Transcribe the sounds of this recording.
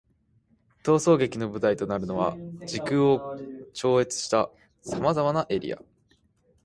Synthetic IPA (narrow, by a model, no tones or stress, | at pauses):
t̪o̞ːso̞ːɡe̞kʲino̞bɯ̟t̪ait̪o̞naɾɯ̟no̞βa̰d͡ʑikɯ̟o̞t͡ɕo̞ːe̞t͡sɨ̥ɕi̥t̪a | samazamanaʔe̞ɾʲḭa̰